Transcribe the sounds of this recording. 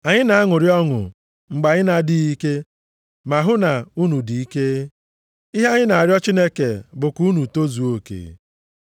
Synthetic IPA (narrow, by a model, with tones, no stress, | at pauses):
a˨ɲɪ˦na˨a˦ŋʊ˨ɾjɔ˦ŋʊ̰˨ | ŋ͡m̩˨ɡ͡ba˨ɲɪ˦na˨di˦i˦ke˦ | ma˨ɦʊ˦na˨u˦nu˨di˨i˦ke˦ | i˦ɦe˦ɲɪ˦na˨a˨ɾjɔ˦t͡ʃi˦ne˦ke˨bʊ˨ku˦nu˨to˦zu˨o˦kḛ˨